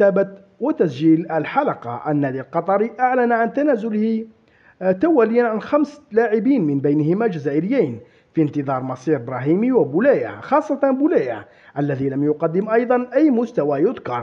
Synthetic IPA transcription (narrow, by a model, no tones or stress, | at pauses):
æːbat̪ | wat̪æsd͡ʒiːləlħalɑqɑ̰ʔənːæd̪ilqɑt̪ˤɑɾiʔaʕlænʕant̪ænæːzʊlhɪ | t̪awælɪjːanʕanxæmslaːʕɪbiːnmɪnbæjnhɪmæd͡ʒæzæːʔɪɾɪjːijn | fint̪əðˤɑɾˤmɑsˤiːɾbɾɑɦiːmiwabʊlæja̰xɑsˤːɑt̪ɑbʊlæja | ʔælːæðilæmjʊqɑd̪ːɪmʔɑjd̪ˤɑnʔæjːmʊst̪æwajʊd̪kɑɾˤ